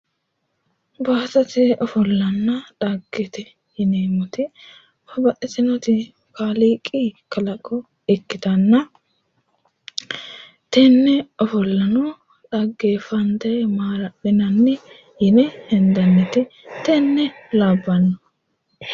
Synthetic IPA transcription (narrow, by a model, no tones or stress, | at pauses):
baːt̪ɐt̪ɪɔfɔlːɐnːɐᶑɐɡːɛt̪ɪ | jɪneːmɔt̪ɪ | fɐbɐʔɛt̪ɪnɔt̪ɪ | kaːliːkʼikɐlɐkʼːɔ | ɪkːɪt̪ɐnːɐ | t̪ɛnːɛɔfɔlːɐnɔ | ᶑɐɡːeːfɐnd̪ɐmaːɾɐɗɪnɐnːɛ | jɪnɛhɛnd̪ɐnːɛt̪ɪt̪ɛnːɛlaːbːɐnːɔ